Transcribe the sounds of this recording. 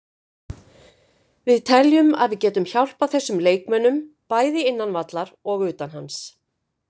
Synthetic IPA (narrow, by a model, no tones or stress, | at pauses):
vɪðt̪ʰɛljʏma̰ðvɪðcɛːt̪ʏmçawl̥paθɛsːʏmleːjkmœnːʏm | paːjðɪɪnːanvat̪laɾɔɣʏːt̪anhans